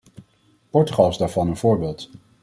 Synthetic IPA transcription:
pɔɹtyχɑlˠzdaːɹvɑnənv̥ʊːɹbeːlˠt

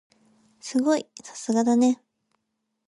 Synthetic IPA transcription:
sɨɡo̞isḁsɨɡad̪ane̞

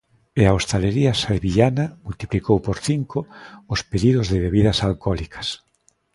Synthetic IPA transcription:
eaost̪aleɾiasalβiʎanɐmult̪iplikowpoɾθiŋkoʊspeðiðʊzðɪβeβiðɐsalkɔlikɐ̥s

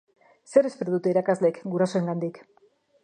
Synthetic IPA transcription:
se̞ɾe̞speɾoðut̪e̞iɾakazle̞kɡuɾaso̞e̞ŋɡand̪ik

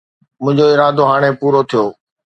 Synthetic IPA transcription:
mʊ̃ɦɪ̃ɲd͡ʑoːɪɾaːd̪oːɦaːɽ̃eːpuːɾoːt̪ʰijoː

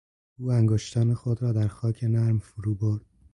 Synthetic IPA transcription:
uːæŋɡoːʃt̪ʰænexod̪ɾɒːd̪æɾxɒːcʰe̞næɾmfoɾuːboɾd̪̚

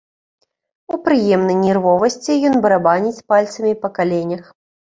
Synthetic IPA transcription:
upɾɨjɛmnɐjnʲɛrvɔvɐsʲt͡sʲijɔnbɐɾabanʲit͡sʲpalʲt̪sɐmʲipɐkalʲenʲɐx

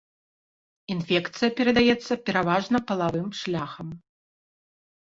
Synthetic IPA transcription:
infʲɛkt̪sɨjɐpʲɛɾɐd̪ajɛt̪sːɐpʲɛɾavaʐnɐpɐlˠavɨmʂlʲaxɐm

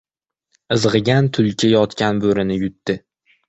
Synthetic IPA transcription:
ɨzʁɨɡʲant̪ʰʊlt͡ʃʲʰɪjɒt̪kʲanbɵɾɪnɪjʊt̪ːɪ

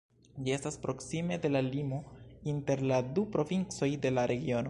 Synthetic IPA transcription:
d͡ʒiestaspɾo̞ksime̞de̞lalimo̞inte̞ɾladupɾo̞vint͡so̞jde̞laɾe̞ɡio̞no̞

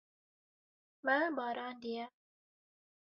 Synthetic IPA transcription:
mãːbaːɾaːnd̪ia

